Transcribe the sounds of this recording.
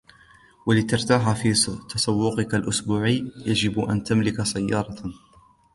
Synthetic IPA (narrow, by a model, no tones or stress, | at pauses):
walɪt̪ɑɾˤt̪aːɦafit̪ɑsˤɑwːʊqɨkalʔʊsbuːʕəːjad͡ʒɪbʔa̰nt̪amlɪkasajːɑːɾˤɑ